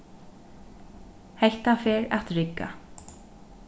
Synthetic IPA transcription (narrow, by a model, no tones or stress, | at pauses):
hejht̪afɛːɾat̪ɾɪkːa̰